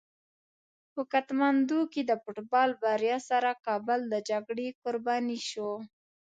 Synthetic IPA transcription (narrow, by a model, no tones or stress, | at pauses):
hʊkat̪mand̪uked̪əfʊʈbɑlbaɾjɑsaɾakɑbəld̪əd͡ʒaɡɽekʊɾbɑniʃo